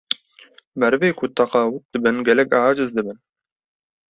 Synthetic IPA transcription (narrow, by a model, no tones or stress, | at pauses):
mɛɾveːkʰʊt̪ʰɑqɑːwɨt̪̚d̪ɨbɨnɡʲɛlɛkʲaːd͡ʒɨzd̪ɨbɨn